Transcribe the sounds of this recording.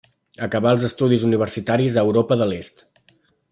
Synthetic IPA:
əkəβaəlˠzəst̪uðizuniβ̞ərsit̪aɾizəːwɾopəðəlest̪

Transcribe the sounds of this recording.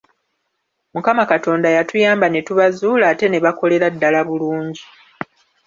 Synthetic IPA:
mukamakato̞ːndajatujaːmbane̞tuβazuːlaːte̞ne̞βako̞le̞ɾadːalaβuluːɲɟi

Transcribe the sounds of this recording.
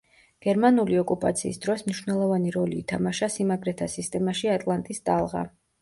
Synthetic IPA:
ɡ̥ɛɾmanuliɔkʼupʼat̪sʰḭːsd̪̥ɾɔsmniʃwnɛlˠɔvaniɾɔliːt̪ʰamaʃasimaɡɾɛt̪ʰasist̪ʼɛmaʃiat̪ʼlˠant̪ʼist̪ʼalˠʁa̰

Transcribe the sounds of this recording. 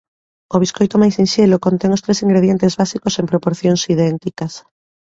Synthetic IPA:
oβ̞iskojt̪omajsinʃelokont̪ɛŋost̪ɾesiŋɡɾeð̞jent̪ezβasikoseŋpɾopoɾθjoŋsiðɛnt̪ikɐs

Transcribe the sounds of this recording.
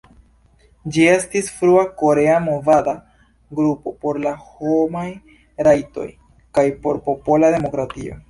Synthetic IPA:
d͡ʒie̞stisfɾuako̞ɾe̞amo̞vada | ɡɾupo̞po̞ɾlaho̞maj | ɾajto̞̰j | kajpo̞ɾpo̞po̞lade̞mo̞kɾatio̞̰

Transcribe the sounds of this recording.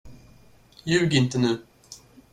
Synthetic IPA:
jʉ̟ːɡɪnt̪ənʉ̟ː

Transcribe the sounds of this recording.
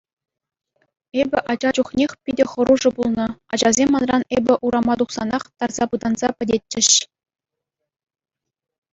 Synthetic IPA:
ebʲɘ̆ʔɑd͡ʑɑd͡ʑuχnʲexʲpʲidʲɘ̆χɤ̆ɾuʐɤ̆bulˠnɤ̆ɑ̰d͡ʑɑzʲemʲːɑnrɑnebʲɘ̆ʔuɾɑmɑd̪uχsɑnɑχt̪ɑrz̥ɑpɯd̪ɑnz̥ɑpʲɘ̆dʲet̚ʲt͡ɕɘ̆ɕ

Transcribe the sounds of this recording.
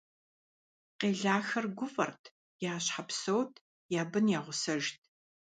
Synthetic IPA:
qeːɮaːxɐrɡʷʊfʼɐ̰rtʰ | jaːɕħapsɐwtʰ | jaːbɨnjaːʁʷʊsɐʒtʰ

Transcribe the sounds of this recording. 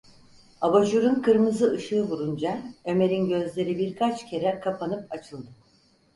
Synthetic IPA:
abaʒuɾunkʰɯɾmɯzɯʔɯʃɯːbuɾund͡ʒaø̞me̞ɾinɟø̞zlʲe̞ɾibiɾkʰat͡ʃcʰe̞ɾɛkʰapʰanɯpat͡ʃʰɯlˠd̪ɯ

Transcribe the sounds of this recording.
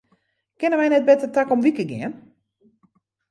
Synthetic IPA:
kɪnəʋɛjnɛt̚bɛtətakɔmʋikəɡɪ̰ən

